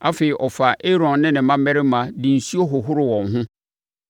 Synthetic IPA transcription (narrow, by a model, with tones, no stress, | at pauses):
a˦fe˨i˨ʔɔ˨fa˨ʔe˦ɾɔ̃˨nːɪ̃˦nɪ̃˨mã˦mɛ˦ɾɪ˦mã˨dĩ˨n̩˨si˦o˦ɦʊ˨ɦʊ˦ɾʊ˨wɔ̃˨ŋɦʊ̃˦